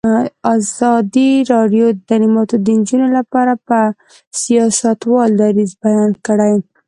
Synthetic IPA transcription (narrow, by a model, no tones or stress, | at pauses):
ɑzɑd̪iɾɑɖjod̪aɾimɑt̪od̪ənd͡ʒunolapɑɾapə | sijɑsat̪wɑld̪ɑɾizbajɑnkəɽaj